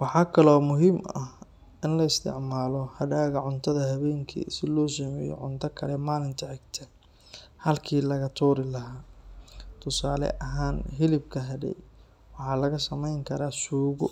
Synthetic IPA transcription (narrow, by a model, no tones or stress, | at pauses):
wɑħɑːkʰɐlɔːmʊɦiːmɐ̰h | ɪnlɐɪst̪ʰɪ̰ʕmaːlɔhɐɽaːɣɐʕʊnt̪ʰɐðɐhɐβɛːŋkʰḭsɪlɔːsɐmɛːjɔ̰ʕʊnt̪ʰɐkʰɐlɛmaːlɪnt̪ʰɐʕɪɡt̪ʰɐ | hɐlkʰiːlɐɣɐt̪ʰuːɾɪlɐɦaː | t̪ʰʊsaːlɛ̰ʔɐɦaːnɦɪlɪbkʰɐɦɐdɛ̰j | wɑħɑːlɐɣɐsɐmɛjŋkʰɐɾaːsuːɣʊ